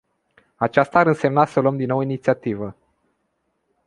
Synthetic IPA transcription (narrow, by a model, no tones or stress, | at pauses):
at͡ʃast̪aːɾɨnse̞mnasəloəmd̪inːowinit̪siat̪ivə